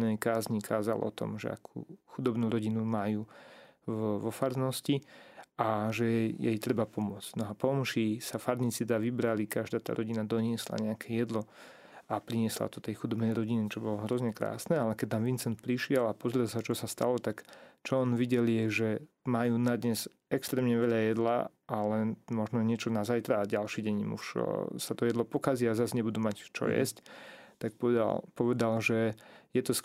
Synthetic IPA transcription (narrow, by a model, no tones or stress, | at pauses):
nɛjkaːzɲikʰaːza̰lʔɔ̰t̪ɔ̰mʒɛ̰a̰kʰṵːxud̪ɔbnuːɾɔɟinumajuː | ʋɔfaɾnɔsciʔaʒɛɛjɛ̰jt̪ɾɛbapɔmʊɔt͡sɟ̥nɔapɔmʃisafaɾnit͡sid̪aːʋibɾalikaʒd̪aːt̪a̰ːɾʔɔɟinad̪ɔɲɪɛsla̰ɲɛakʰɛjɛd̪lɔ | apɾiɲɪɛsla̰t̪ɔ̥t̪ɛjxud̪ɔbnɛjɾɔɟinit͡ʃɔbɔlɔɦɾɔzɲɛkɾa̰ːsnɛalɛkɛcnamʋint͡sɛnt̪̚pɾiʃɪɛlapɔzɾɛlsat͡ʃɔsast̪alɔt̪akt͡ʃɔɔnʋiɟɛljɛʒɛmajuːnad̪ɲɛz | ɛkst̪ɾɛːmɲɛʋɛʎajɛd̪la̰ | ʔalɛnmɔʒnɔɲɪɛt͡ʃɔnazajt̪ɾaːɟalʃiːɟɛɲḭmṵʃsat̪ɔjɛd̪lɔpɔkaziazasɲɛbud̪umact͡ʃɔ̰jɛ̰sct̪akppɔʋɛd̪alʒɛjɛt̪ɔs